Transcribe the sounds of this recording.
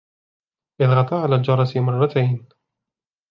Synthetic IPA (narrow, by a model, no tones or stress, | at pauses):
ʔɪðɣɑt̪ˤɑʕalaːld͡ʒɑɾˤɑsimɑrˤːɑt̪ʰajn